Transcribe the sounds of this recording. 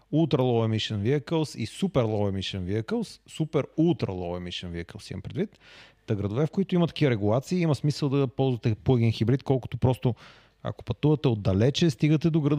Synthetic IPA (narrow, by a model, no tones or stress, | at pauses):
ulˠt̪ɾəlˠɔvɛmiʃɛnviəkəlˠsḭsupɛɾlˠɔvɛmiʃɛnviəkəlˠsːupɛɾulˠt̪ɾɐ̰lˠɔ̰vɛmiʃənviəkəlˠsḭmɐmpɾɛd̪vit̪t̪ɐɡɾɐd̪ovɛfkoit̪ʊimɐt̪ɐ̥kivəɾɛɡulˠat̪siːimɐsmisəlˠd̪ɐpɔlˠzvɐt̪ɛplɤɡinxibɾit̪kɔlˠkʊ̥t̪opɾɔst̪o | a̰ko̥pɐt̪uvɐt̪ɛod̪ɐlɛt͡ʃɛst̪iɡət̪ɛd̪oɡɾɐd̪